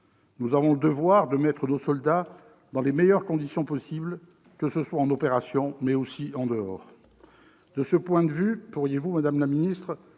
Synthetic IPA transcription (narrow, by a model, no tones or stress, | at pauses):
nuzavɔ̃ləd̪əvwaʁd̪əmɛt̪χənosɔld̪a | d̪ɑ̃lemɛjœʁkɔ̃d̪isjɔ̃pɔsibl | kəsəswaɑ̃nɔpeʁasjɔ̃mɛosiɑ̃d̪əɔːʁ | d̪əsəpwɛ̃d̪əvypuʁjevumad̪amlaminist̪χ